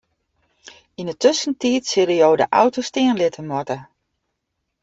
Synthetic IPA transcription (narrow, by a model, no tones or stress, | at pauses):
inətøsəntiətsɪɾəjoːdə̰ʔa̰wtostɪənlɪtʰəmɔtə